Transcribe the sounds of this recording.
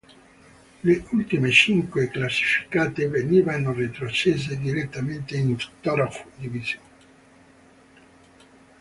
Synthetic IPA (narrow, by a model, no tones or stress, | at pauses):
leult̪imet͡ʃiŋkweklasːi̥fi̥kaːt̪eveniːvanorit̪ɾot͡ʃeːzed̪iɾet̪ːament̪einst̪ɔɾafd̪ivizjoːne